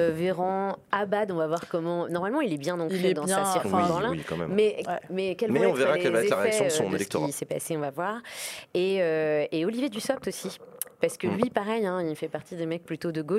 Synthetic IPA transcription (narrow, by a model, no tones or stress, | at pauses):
veʁɔ̃abad̪ɔ̃vavwaʁkɔmɑ̃nɔʁmalmɑ̃ilɛbjɛ̃nɔ̃plyd̪ɑ̃asiʁbɑ̃lɛ̃ikɑ̰̃mɛ̰mmɛmɛkʲɛlmɛɔ̃veʁakɛlvaɛtlaʁɛssɔ̃sɔ̃neəlɛəkət̪ɔʁḭsɛpa̰seɔ̃vavwaʁeøeɔlivjed̪ysɔp̚t̪osipaʁsə̥kəlɥipaʁɛjɛ̃ilfɛpaʁt̪ʰid̪emɛk̚plyt̪od̪əɡoʃ